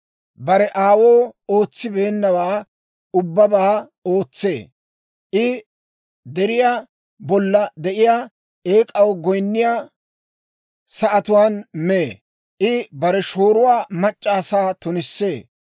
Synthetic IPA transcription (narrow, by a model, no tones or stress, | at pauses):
bɐɾɛʔaːwoːoːt͡sːɪbe̞ːnːɐwaː | ʊbːɐbaː | o̞ːt͡sːḛː | ʔɪ | d̪ɛɾɪjaː | bɔlːɐd̪ɛʔɪjaː | eːkʼɐwɔɡɔjnːɪjaː | sɐʔɐt̪ʊwaːnmeː | ʔɪbɐɾɛʃo̞ːɾʊwaːmɐt͡ʃʼːaːsaːt̪ʊnɪsːe̞ː